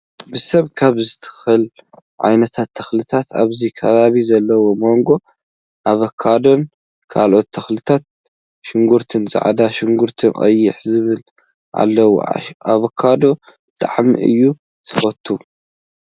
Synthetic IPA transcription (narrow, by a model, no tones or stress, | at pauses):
bɨsɐβkʰaβzɨt̪ʰɨ̥xɨl | ʕa̰jnɐt̪ʰat̪ʰːɐxlɨt̪ʰat̪a̰βzikʰɐβaβizɐlːɐwo̞mo̞ŋɡo̞ | ʔaβɐkʰːad̪o̞n | kʰa̰lʔo̞t̪ʰːɐxlɨt̪ʰat̪̚ | ʃɪŋɡuɾt̪ʰɨnzʼa̰ʕd̪aʃɪŋɡuɾt̪ʰɨnkʼɐ̰jːɪħzɨβɨl | ʔa̰lːɐw̰aβɐkʰːad̪o̞ | bɨt̪ʰʼa̰ʕmḭʔɨ̰jːu | t̪ʰɨ̥fɐt̪ʰːu